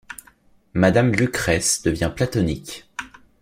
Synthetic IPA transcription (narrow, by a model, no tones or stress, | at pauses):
mad̪amlykχɛsd̪əvjɛ̃plat̪ɔnikʲ